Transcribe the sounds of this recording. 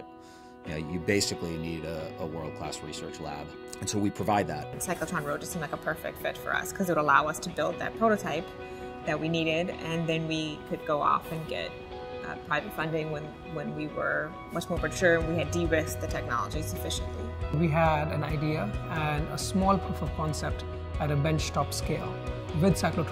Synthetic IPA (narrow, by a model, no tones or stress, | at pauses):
jno̰jɨbeɪsɨkliniɾəəwɜ̰˞lˠd̚kʰl̥æ̰sɹisɜ̰˞t͡ʃlæ̰bɨ̃nsoʊwipʰɹ̥əvaɪd̪̚ðæ̰t̚nsaɪkl̩ˠtʰɑ̃nɹoʊdɨstʰɨ̃meɪkəpʰɜ˞fɪ̰k̚tfɪtfə̰˞ʌ̰skʰʌzɨt̚wəɾəlaʊʌstʰɨbɪlˠd̪̚ðɨ̰t̚pʰɹ̥oʊɾoʊtʰaɪp̚ | ðɨt̚winiɾɪɾɨ̃nðɨ̃nwikʰɨd̚ɡoʊɔ̰fɨ̃nɡɛ̰t̚ | pʰɹ̥aɪvɨtfʌ̃ndɪ̃ŋwə̃n | wə̃nwiwə̰˞ | mʌt͡ʃmɔɹpə˞t͡ʃʰʊɹɨ̃nwiɨdiɹɪsk̚ðɨtʰɛk̚nɑ̰lˠə̰d͡ʒisəfɪʃɨ̃nʔlḭwiɦædæ̃naɪdiəæ̃nəsmɔːlˠpʰufəv̥kʰɔ̃nsɛp̚t | æɾəbɛ̃nt͡ʃtɔpskeɪlˠ | wɪd̪saɪklotʰ